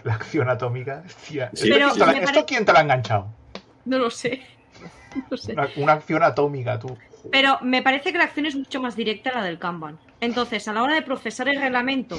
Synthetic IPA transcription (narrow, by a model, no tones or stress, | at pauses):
laːkθjonat̪omikaest̪iaepeɾoolaeeaɾokjent̪elaeŋɡaɲt͡ʃaw | no̞lo̞se̞ | noloseunaːkθjo̞nat̪omikat̪upe̞ɾo̞me̞paɾe̞θekelak̚θjo̞nezmut͡ʃomazðiɾe̞k̚t̪alaðe̞lkamban | e̞nt̪o̞nθe̞salao̞ɾaðe̞pɾo̞fe̞saɾe̞lre̞ɣlamẽnt̪o